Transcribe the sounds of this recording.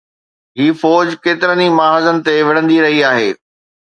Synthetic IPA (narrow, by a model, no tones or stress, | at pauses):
ɦiːfɔːd͡ʑkeːt̪ɪɾənimaːɦaːzənɪ̆t̪eʋɪɽ̤ə̃nd̪iɾɐɦiaːɦeː